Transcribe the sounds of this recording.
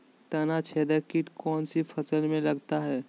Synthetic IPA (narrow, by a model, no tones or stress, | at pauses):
t̪ənat͡ʃʰeːd̪əkɪʈkɔːnsifʰɐsəlmẽlɐɡt̪aɦɛː